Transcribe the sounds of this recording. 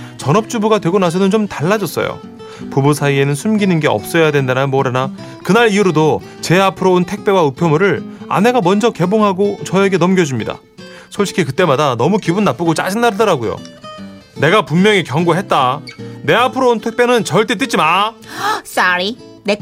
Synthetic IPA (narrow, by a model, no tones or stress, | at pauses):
t͡ɕʌnʌp̚t͡ɕ͈ubuɡadwe̞ɡonas̬ʰʌnɯnt͡ɕomtaɭːad͡ʑʌs͈ʌ̰jo̰ | pubusʰaie̞nɯnsʰumɡinɯnɡe̞ʌ̰p̚s͈ʌjadwe̞ndenanmʌɾana | kɯnaɾiuɾodo | t͡ɕe̞apʰɯɾountʰe̞k̚p͈e̞waɯpʰjʌmuɾɯɭa̰ne̞ɡamʌnd͡ʑʌke̞boŋɦaɡot͡ɕʌe̞ɡe̞nʌmɡjʌd͡ʑumɲida̰ | sʰoɭɕʰi̥kʰikɯt͈e̞madanʌmukibunːap͈ɯɡot͡ɕ͈a̰ɕʰinːaɾadɯɾaɡojo̰ | ne̞ɡapumːjʌŋikjʌŋɡoɦe̞t̚t͈ane̞apʰɯɾountʰek̚p͈e̞nɯnt͡ɕʌɭt͈et͈ɯt͡ɕ͈ima | s͈aɾi | ne